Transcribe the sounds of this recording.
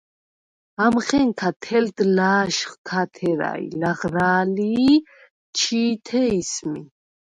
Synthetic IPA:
amχɛŋkʰat̪ʰɛld̪laːʃχt̪ʰat̪ʰɛɾa̰ḭlaʁɾaːli | t͡ʃʰiːt̪ʰɛismi

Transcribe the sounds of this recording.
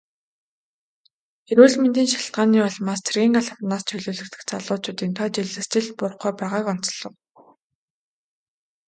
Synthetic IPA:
eɾuːɮment̪iːnʃḁɬt̪ɢaːniːɔɮmaːst͡sʰerɣʲiːŋɢaɮə̆wnaːst͡ɕʰɵɮoːɮɘ̆kt̪ɘ̆kt͡saɮʊːt͡ɕʊːt̪iːnt̪ʰɔt͡ɕiɮɘ̆st͡ɕɪ̆ɮt̪̚pʊr̆χuːpæːʁaːkɔn̥t͡sɞɮɞ̆w

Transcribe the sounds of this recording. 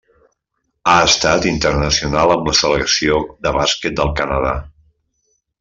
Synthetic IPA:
aəst̪at̪int̪ərnəsiunalˠəmləsələksioðəβaskɛt̪̚d̪əlˠkənəð̞a̰

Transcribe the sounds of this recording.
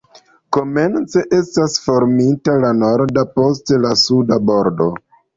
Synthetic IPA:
ko̞me̞nt͡se̞ʔe̞stasfo̞ɾmitalano̞ɾdapo̞s̬tlasudabo̞ɾdo̞

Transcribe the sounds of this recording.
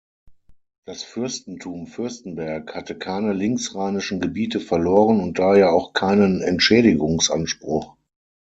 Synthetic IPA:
d̥asfʏɐstn̩tʰuːmfʏɐstn̩bɛɐkhatəkʰaɪnəlɪŋksʁaɪnɪʃn̩ɡəbiːtəfɛɐloːʁənʊnt̚d̥aːheːɐaʊxkʰaɪnənɛ̰ntʃɛːɾɪɡʊŋsʔa̰nʃpʁ̥ʊχ

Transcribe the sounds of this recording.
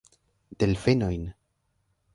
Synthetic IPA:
d̪̥elfeno̞jn

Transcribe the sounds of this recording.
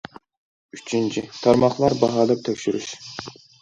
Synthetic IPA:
yt͡ʃʰynt͡ʃʰit̪ʰɑɾmɑχlˠɑɾbɑɦɑːd̪ɑp̚t̪ʰɛkʲʃyɾyʃ

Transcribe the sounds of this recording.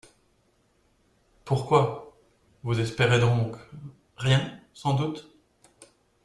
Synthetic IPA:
puʁkwa | vuzɛspeʁed̪ɔ̃k | ʁjɛ̃sɑ̃d̪ut̪

